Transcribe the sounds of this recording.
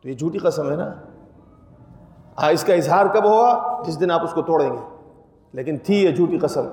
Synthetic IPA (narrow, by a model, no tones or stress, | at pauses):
t̪ojed͡ʒʱuːʈiqɐsəmɦɛna̰ː | ãːɪskaɪzɦaːɾkɐbɦoad͡ʒɪs̬d̪ɪnaːpʊskot̪oːɽẽːŋɡe | leːkɪnt̪ʰijɛd͡ʒʱuːʈiqɐsə̃m